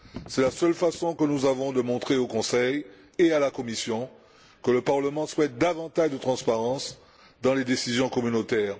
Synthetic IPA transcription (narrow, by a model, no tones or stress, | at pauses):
sɛlasœlfasɔ̃kənuzavɔ̃d̪əmɔ̃t̪χeokɔ̃sɛj | ealakɔmisjɔ̃ | kələpaʁləmɑ̃swɛt̪̚d̪avɑ̃t̪aʒd̪ət̪χɑ̃spaʁɑ̃s | d̪ɑ̃led̪esizjɔ̃kɔmynot̪ɛːʁ